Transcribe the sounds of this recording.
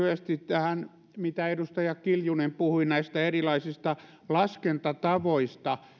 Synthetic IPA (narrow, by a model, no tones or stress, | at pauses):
yest̪itt̪æhæn | mit̪æedust̪ɑjɑkiljunempuhuinæist̪æerilɑisist̪ɑ | lɑskent̪ɑt̪ɑʋoist̪ɑ